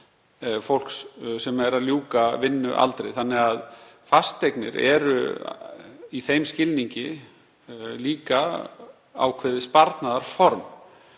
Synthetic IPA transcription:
fowl̥kssɛmɛɾaðljuːkavɪnːʏ̰ʔa̰lt̪ɾejθanːɪɣaðfast̪ːejknɪ̰ɾɛ̰ɾʏ̰ | iθejmscɪlniɲcɪ | liːka | a̰wkʰvɛːðɪspaɾt̪naðaɾ̥fɔɾm

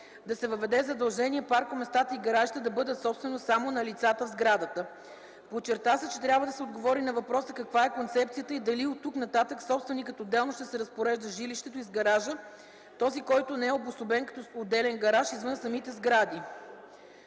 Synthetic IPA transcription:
d̪ɐsɛvəvɛd̪ɛzɐd̪ɐlˠʒɛniɛpaɾkʊmɛst̪at̪əiɡɐɾaʒit̪əd̪ɐbɤd̪ət̪sɔpst̪vɛnosamonɐlit̪sat̪əvzɡɾad̪ət̪ə | pot͡ʃɛɾt̪asɛt͡ʃɛt̪ɾʲabvəd̪ɐsɛod̪ɡovɔɾinɐvɐpɾɔsəkɐkvaɛkont̪sɛpt̪sijət̪əid̪ɐliot̪ːuknɐt̪at̪əksɔpst̪vɛnikət̪oːd̪ːɛlˠnʊʃt̪ɛsɛɾəspoɾɛʒd̪əʒiliʃt̪ɛt̪ʊizɡɐɾaʒə | t̪ɔzikɔjt̪ʊnɛɛobʊsobɛnkɐ̥t̪ɔod̪ɛlɛnɡɐɾaʃizvɤnsɐmit̪ɛzɡɾad̪i

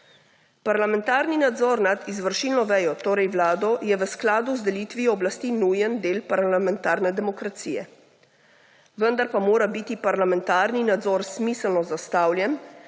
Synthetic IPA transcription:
paɾlamɛ̃nt̪aːɾninad̪zɔːɾnad̪izʋəɾʃiːlnɔʋɛːjɔt̪oːɾɛjʋlaːd̪ɔjɛʋəsklaːd̪uzd̪ɛliːt̪ʋiɔːblast̪inuːjənd̪eːlpaɾlamɛnt̪aːɾnɛd̪ɛmɔkɾat̪siːjɛ̰ | ʋənd̪aɾpamoːɾabit̪ipaɾlamɛnt̪aːɾninad̪zɔːɾsmiːsəlnɔzast̪aːwljɛn

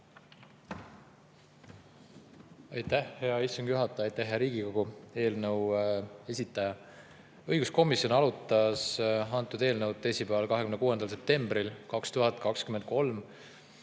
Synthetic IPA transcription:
ɑjt̪æhhe̞ɑist̪uŋɡ̥juɦɑt̪ːˑɑjɑjt̪ːˑæhɦeɾiːɡ̥iko̞ɡ̥ue̞ːlnɤwe̞sʲit̪ːˑɑjɑ | ɤjɡ̥usko̞misjo̞nɑlut̪ːˑɑsɑnt̪ːˑud̪̥e̞ːlnəwd̪esʲipæɑlkɑɦe̞kymnekuːe̞nd̪̥ɑls̬e̞p̚t̪e̞mbɾilkɑkst̪uɦɑt̪̚ːˑkɑkskymend̪̚ko̞lm

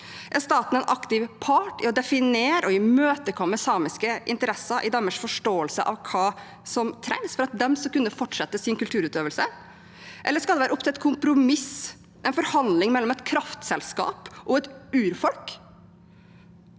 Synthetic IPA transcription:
ʔæɾst̪ɑːt̪n̩ɛnʔɑkt̪ɪʋpʰɑːʈɪɔd̪ɛfɪneːɾɔɪmøːt̪əkʰɔmːəsɑːmɪskəʔɪ̰nt̪əɾɛsɑʔɪd̪ɑːməʂfɔʂʈoːəlsəʔɑ̰ʋkʰɑː | sɔmt̪ʰɾɛŋsfɔɾɑt̪̚d̪ɛmsɔkʉnːəfɔʈʂɛt̪ːəsɪnkʉlt̪ʰʉːɾʉːt̪øːʋəlsə | ʔɛlːəʂskɑlɛʋæːɾəʊpt̪ʰɛɛt̪kʰʊmpɾʊmɪs | ʔɛnfɔɾhɑnd̪lɪŋmɛlːɔmɛt̪kʰɾɑft̪sɛlskɑ̰ːpʔɔɛt̪ʉːɾfɔlk

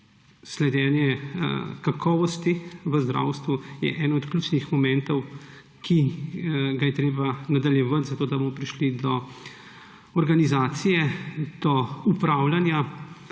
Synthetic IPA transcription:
slɛd̪jɛːnjɛkakʰɔːʋɔst̪iʋəzd̪ɾa̰ːwst̪ʋujɛ̰ʔɛːnɔɔt̪klʲuːt͡ʃnixmɔmɛ̃nt̪ɔw | kʰi | ɡajɛt̪ɾeːbanad̪aljɛʋat̪zat̪oːd̪abomɔpɾiʃlid̪ɔ | ɔɾɡanizaːt̪sijɛd̪̥ɔupɾaːwlanja

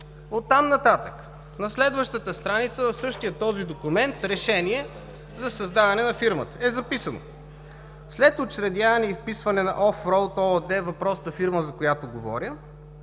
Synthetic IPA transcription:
ot̪ːamnɐt̪at̪ək | nɐslɛd̪vəʃt̪ət̪əst̪ɾanit̪səvɐfsɤʃt̪ijət̪ːɔzid̪okumɛnt̪ɾɛʃɛniɛ | zɐsɐzd̪avɐnɛnɐfiɾmə̰t̪ə̥ɛzɐpisəno̰ | slɛt̪ot͡ʃɾɛd̪javɐnɛifpisvɐnɛnɐ̰ʔɔfɾɔlˠt̪ɔd̪ɛvɐpɾɔst̪ɐfiɾməzɐkojat̪oɡovɔ̰ɾʲjə

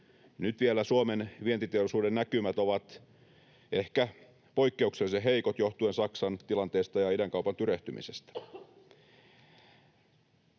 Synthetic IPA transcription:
nyt̪ʋielæsuomenʋie̞t̪it̪eoɾisuːdenːækymæt̪oʋɑt̪ | ehkæ | po̞ikːe̞ukseliseɦe̞ikot̪jo̞ht̪ue̞nsɑksɑnt̪ilɑnt̪eːst̪ɑjɑidæŋkɑupɑnt̪yɾeht̪ymḭsest̪æ̥

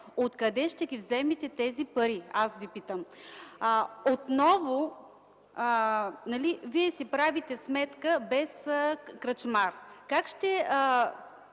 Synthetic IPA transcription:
ot̪kɐd̪ɛʃt̪ɛɡʲivzɛmit̪ɛt̪ɛzipɐɾiasvipit̪əm | ot̪nɔvo | nɐliviɛsipɾavit̪ɛsmɛt̪kəbɛskɾɐt͡ʃmaɾkakʃt̪ɛə

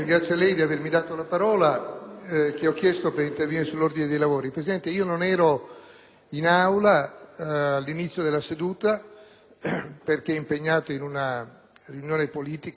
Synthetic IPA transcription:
ɡɾat̪sːjalɛjd̪iavermid̪aːt̪olapaɾɔːla | keɔkːjɛst̪opeɾint̪erviniɾesulːord̪ined̪ejlavoːɾipɾesid̪ɛnt̪eiːononɛːɾo | inawlaː | lːinit̪sːjod̪elːased̪uːt̪a | perk̟eɛimpeɲːaːt̪oinuna | riunjoːnepoliːt̪ik

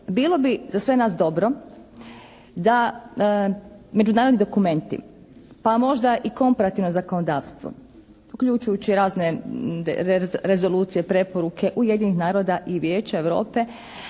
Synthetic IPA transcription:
biːlˠo̞bizasʋe̞naːsd̪o̞bɾo̞ | d̪a | me̞d͡ʒunaːɾod̪nid̪o̞kume̞nt̪ḭ | pamo̞ʒd̪aʔiko̞mpaɾat̪iʋnozakonod̪aːʋst̪ʋo̰ | ukʎut͡ʃujut͡ɕiɾaːzne | ɾe̞zo̞lˠuːt̪sijepɾe̞po̞ɾukʰe̞ʔuje̞d̪ɲinixnaːɾo̞d̪aʔiʋje̞ːt͡ʃae̞ʋɾo̞̰ːpe̞

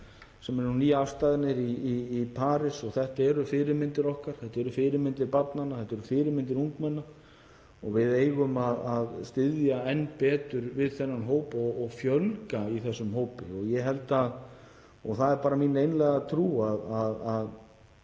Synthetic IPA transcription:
sɛmɛɾnuniːaafst̪aːðɪɾnɪɾiiːpʰaːɾɪsɔɣθɛht̪aɛɾʏfɪːɾɪɾmɪnt̪ɪɾɔhkaɾ̥θɛht̪ɛɾʏfɪːɾɪɾmɪnt̪ɪɾpat̪nanːaθɛht̪ːɛɾʏfɪːɾɪɾmɪnt̪ɪɾuŋkmɛnːa | ɔɣvɪðeːjɣʏmaðaðst̪ɪðjaɛnːpɛːt̪ʏɾvɪðθɛnːanɦoːwpɔɣɔɣfjœlkaiθɛsːʏmhoːwpɪ̰ɔɣjɛɦɛlt̪að | ɔɣθaðɛɾpaːɾamiːnejnlɛɣat̪ʰɾuːaðaðað

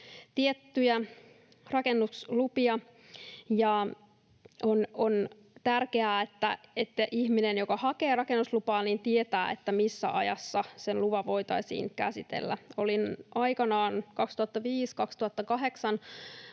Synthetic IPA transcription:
t̪iet̪ːyjæ | rɑkenːuslupiɑ | jɑ | ʔonon | t̪ærkeæːet̪ːæet̪ːæʔihminenjokɑhɑkeːrɑkenːuslupɑːnint̪iet̪æːet̪ːæmisːæ̰ʔɑjɑ̰sːɑsenluʋɑʋo̞it̪ɑ̰isḭːŋkæsit̪ḛlːæ̰olinʔɑikɑnɑːnkɑkst̪uhɑt̪ːɑʋiːskɑkst̪uhɑt̪ːɑkɑɦe̞ksɑn

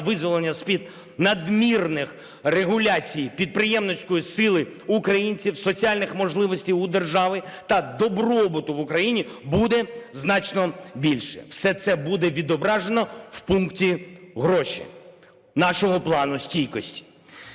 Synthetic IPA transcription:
ʋɪzʋɔlˠenʲːɐsʲpʲid̪ | nɐd̪mʲirnɪx | reɦʊlʲat͡sʲijpʲid̪̚pɾɪjɛmnɔsʲkɔjisɪlˠɪ | ʊkɾɐjinʲt͡sʲiwsɔt͡sʲialʲnɪxmɔʒlˠɪʋɔsʲtʲijʊd̪erʒɑʋɪt̪ɐd̪ɔbɾɔbʊt̪ʊʋʊkɾɐjinʲibud̪ɛznɑt͡ʃnɔbʲilʲʃɛ̥̰w̥sɛt̪sɛbud̪ɛʋʲid̪ɔbɾɑʒenɔwpunktʲiɦɾɔʃʲḭ | nɑʃɔɦɔplˠɑnʊsʲtʲijkɔsʲtʲi̥

